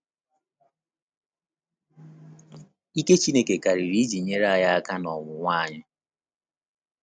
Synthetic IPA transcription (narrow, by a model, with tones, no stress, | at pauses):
i˦ke˦t͡ʃi˦ne˦ke˨ka˨ɾi˨ɾi˦d͡ʒi˨ɲe˦ɾa˦a˦˨ja˦a˦ka˦nɔ˨ŋʊ˨ŋʷa˦˨ɲɪ˦